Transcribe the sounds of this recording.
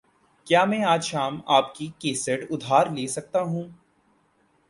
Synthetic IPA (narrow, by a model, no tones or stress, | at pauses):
kjaːmɛ̃ːaːd͡ʒʃaːmaːpkikeːsəɖʊd̪ʱaːɾleːsɐk̚t̪aɦũː